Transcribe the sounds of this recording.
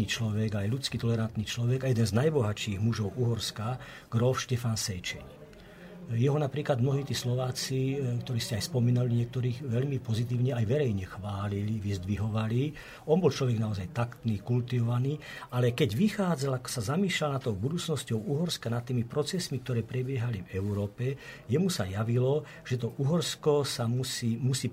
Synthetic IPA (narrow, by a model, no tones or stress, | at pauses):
it͡ʃlɔʋɛɡajlut͡skit̪ɔlɛɾant̪niːt͡ʃlɔʋɛɡajɛd̪ɛnznajbɔɦat͡ʃiːɣmuʒɔʊuɦɔɾska | ɡ̥ɾɔlfʃcɛfansɛjt͡ʃɛɲ | jɛɦɔnapɾiːklad̪mnɔɦiːt̪iːslɔʋaːt͡sikt̪ɔɾiːscɛajspɔmiːnaliɲɪɛk̚t̪ɔɾiːɣʋɛʎmipɔzit̪̬iːʊɲɛajʋɛɾɛjɲɛxʋaːliliʋizd̪ʋiɦɔʋali | ɔnbɔlt͡ʃlɔʋɛɡnaɔzajt̪akt̪niːkult̪iʋɔʋaniːalɛkɛɟʋixaːd͡zalakɔ̥sazamiːʃlalnat̪ːɔʊbud̪uːt͡snɔscɔʊuɦɔɾskanat̪ːiːmipɾɔt͡sɛsmik̚t̪ɔɾɛːpɾɛbɪɛɦalivɛʊɾɔːpɛjɛmusa̰jaʋilɔ | ʒ̥ɛt̪ɔʔuɦɔɾskɔsamusiːmusiː